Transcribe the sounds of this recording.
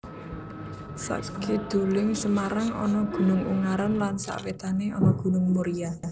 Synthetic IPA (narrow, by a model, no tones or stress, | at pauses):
sa̰ʔkʰed̪̥o̤lɪŋsəmaɾaŋɔ̰nɔɡ̥ṳnʊŋṵŋaɾanlansa̰ʔwet̪aneɔnɔɡ̥ṳnʊŋmuɾija